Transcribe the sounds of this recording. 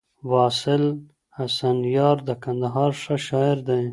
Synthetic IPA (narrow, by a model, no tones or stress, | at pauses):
wɑːsɪl | hasanjɑːɾd̪əkand̪aɦɑːɾʂaʃɑɪɾd̪aj